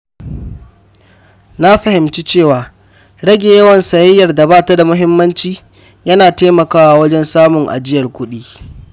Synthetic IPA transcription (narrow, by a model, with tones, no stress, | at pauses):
na˦ɸɐ˨hɪ˨mt͡ʃi˦t͡ʃeː˦˨waː˨ | ɽɐ˦ɡʲe˨jɐ˦wɐ˨nsɐ˨jɪ˦jːɐ˨rda˨baː˦˨ta˦da˨mʊ˦ɦɪ˦mːɐ˦nt͡ʃiː˦ | jɐ˦naː˨teː˦mɐ˨kaː˦wa˨wɐ˦d͡ʒɛ˦nsaː˦mʊ˨ŋʔa̰˨d͡ʒɪ˦jɐ˨rkʷʊ˦ɗiː˦